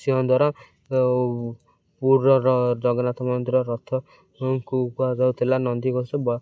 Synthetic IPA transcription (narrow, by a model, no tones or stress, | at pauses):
siɦɔnd̪ʱwaɾɔ | puɔɾɔd͡ʒɔɡɔnat̪ɔmɔnd̪iɾɔɾɔt̪ʰɔ | ŋkukuad͡ʒawt̪ʰilanɔnd̪iɡosɔbɔ